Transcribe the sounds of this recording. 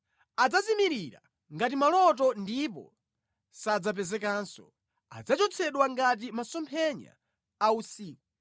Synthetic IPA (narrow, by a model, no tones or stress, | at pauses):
ad͡zazimiɾiɾa̰ | ŋɡatimalɔt̬ɔndipɔ̰ | sad͡zap̬ɛzɛkansɔ̰ | a̰d͡zat͡ʃɔt͡sʰɛɗwaŋɡat̬imasɔmpʰɛɲa̰ː | usiːku